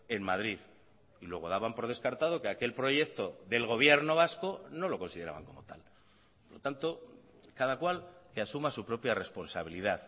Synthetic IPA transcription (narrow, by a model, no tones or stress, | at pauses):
e̞nmað̞ɾið | ilweɣ̞o̞ð̞aβampo̞ɾð̞e̞skaɾt̪aðo̞keake̞lpɾo̞ʝe̞kt̪o̞ðe̞lɣ̞o̞β̞je̞ɾno̞β̞asko̞no̞lo̞ko̞nsið̞e̞ɾaβa̰ŋko̞mo̞t̪a̰l | polot̪ant̪o̞ | kaðakwalkeasumasupɾo̞pjare̞spo̞nsaβ̞iliðað